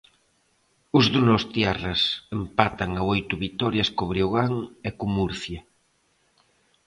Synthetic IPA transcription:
ʊzðunost̪jɛrɐsempat̪aŋaojt̪ʊβit̪ɔɾjaskoβɾioɣaŋɛkumuɾθja

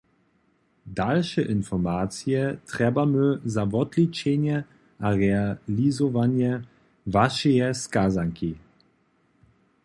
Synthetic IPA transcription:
dalʃɛʔɪnfɔʁmaːt͡siɛtʁ̥ɛbaməzavɔtlit͡ʃɛnjɛ | ʔaʁɛalizɔvanjɛ | vaʃɛjɛskaːzaŋki

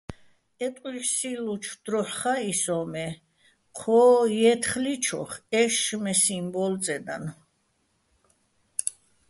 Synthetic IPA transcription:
ɛt̪ʼwisilut͡ʃʰd̪̥ɾɔħχaisɔmɛ | qʰɔːjɛt̪ʰχlit͡ʃʰɔ̰χɛʃmɛsimbɔlt͡sʼɛd̪a̰n

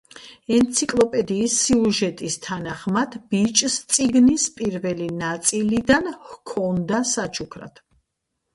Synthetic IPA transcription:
ɛnt̪sʰikʼlˠɔpʼɛd̪iːsːiuʒɛt̪ʼist̪ʰanaχmad̪̥b̥it͡ʃʼst̪sʼiɡnispʼiɾvɛlinat̪sʼilid̪anhkʰɔnd̪asat͡ʃʰukʰɾa̰t̪ʰ

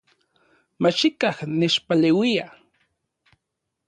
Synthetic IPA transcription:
maʃɪkɑχnɪʃpalɪwɪja

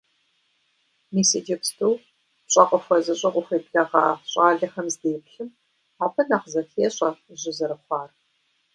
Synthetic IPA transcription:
miːsid͡ʒɛpstʰow | ɕʼɐqʼəxʷɐzɨɕʼɐqʷʼʊxʷeːpɬɐʁɑ̰ɕʼaːɮɐxɐmzdeːpɬɨm | aːpʰɐnaːqzɐfijɛɕʼɐʑɪzɐɾɨχʷɑːr

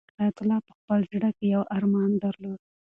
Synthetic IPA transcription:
ɑjat̪ʊlɑpə̥xpəlzɽakejawʔaɾmɑnd̪aɾlod̪̚

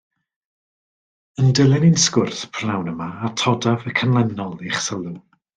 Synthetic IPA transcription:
əndɪlˠɪninskʊrθpʰr̥awnəmaːtʰɔdavəkʰənlˠɛnɔlˠiχsəlˠu

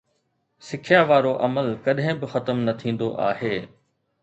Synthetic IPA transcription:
sɪkʰijaʋaːɾoʔɐməlkɐɗɦɪ̃bɪxɐt̪əmnɐt̪ʰĩːn̆d̪oʔa̰ːɦeː

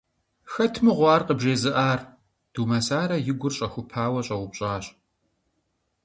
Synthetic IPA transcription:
xɐtʰmɨʁʷɑːrqəbʒeːzɨʔaːr | d̥uːmɐsaːɾɐjɪɡʷʊrɕʼɐxʷʊpʰaːwɐɕʼɐʁʷʊpɕʼaːɕ

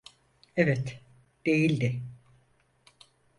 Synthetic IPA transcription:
ɛvɛt̪ | d̪̥e̞jilʲd̪ɪ

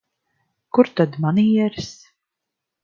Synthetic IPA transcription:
kuɾt̪ad̪maniːɛɾs

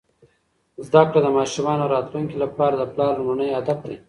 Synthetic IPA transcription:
zd̪akɽad̪əmɑːʃumɑːnoɾɑːt̪luŋkilapɑːɾad̪əplɑːlumanəjad̪ab̚d̪ḛj

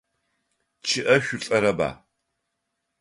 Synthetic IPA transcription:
t͡ʃʰɪʔɐɕʷʊɬʼɐɾɐba̰ː

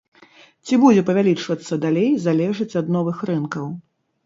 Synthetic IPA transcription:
t͡sʲibud͡zʲɛpɐvʲalʲit͡ʂvɐt̪sːɐd̪alʲejzalʲɛʐɨt͡sʲɐd̪nɔvɨxɾɨnkɐw

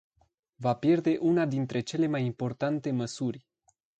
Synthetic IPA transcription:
vapje̞rd̪e̞ʔunad̪int̪ɾe̞t͡ʃe̞le̞majimpo̞rt̪ant̪e̞məsurʲ

